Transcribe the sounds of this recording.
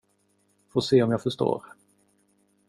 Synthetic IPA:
foːseːɔmjaːɡfœʂto̰ːɾ

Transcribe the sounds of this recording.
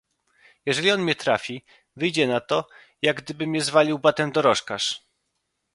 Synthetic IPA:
jɛʐɛlʲiɔnmɲɛt̪ɾafʲi | vɘjd͡ʑɛnat̪ɔ | jaɡ̚d̪ɘbɘmʲɲɛzvalʲiwbat̪ɛmd̪ɔɾɔʂkaʂ

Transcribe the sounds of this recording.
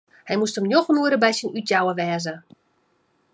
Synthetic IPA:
hɛjmustəmnjoxmuəɾəbɛjsinytjawəʋɛːzə

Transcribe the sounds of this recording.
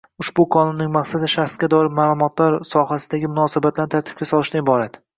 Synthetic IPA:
ʊʃbʊkʰɒnʊnːɪŋmaqsad̪ɪʃaχsɡʲad̪ɒɾɪmaːlˠʊmɒt̪ʰlaɾsɒhasɪd̪aɡʲɪmʊnɒsɪbat̪lanɪt̪ʰaɾt̪ʰɪb̥̚kʲasɒlˠɪʃt̪aɪbɒɾat̪

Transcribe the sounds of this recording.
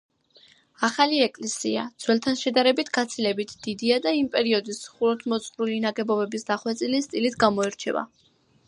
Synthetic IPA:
aχaliɛkʼlɛsia̰d̪z̥ʰwɛlt̪ʰanʃɛd̪aɾɛbit̪ʰɡ̥at̪sʰilɛbit̪ʰd̪̥id̪iad̪aimpʼɛɾiɔd̪isχuɾɔt̪ʰmɔt̪sʼχɾulinaɡɛbɔbɛbisd̪aχwɛt̪sʼilist̪ʼilit̪ʰɡamɔɛɾt͡ʃʰɛ̰va̰

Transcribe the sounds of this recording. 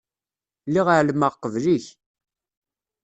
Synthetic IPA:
liʁəʕlməʁqəvliç

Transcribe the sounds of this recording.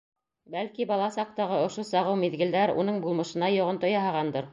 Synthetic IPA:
bælkibɑlˠɑsɑq̚t̪ɑʁɤŏʃosɑʁɤwmiðɡɘ̆ld̪æɾṵnɤɴbulˠmɤ̆ʃɤ̆nɑjŏʁɤnt̪ŏjɑɦɑʁɑnd̪ɤɾ

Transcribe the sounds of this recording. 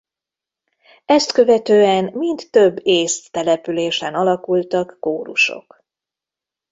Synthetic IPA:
ɛst̪kø̞vɛt̪øːɛnmind̪ːø̞bːeːst̪ːɛlɛpyleːʃɛnɒlɒkult̪ɒkːoːɾuʃo̞̰k

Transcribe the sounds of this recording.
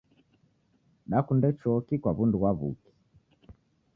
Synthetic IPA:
ɗakundɛt͡ʃɔkikwaβunduɣwaβṵki̥

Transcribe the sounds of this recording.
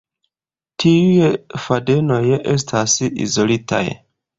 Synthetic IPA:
tʰiujefade̞no̞jʔe̞s̬tʰasḭzo̞lita̰j

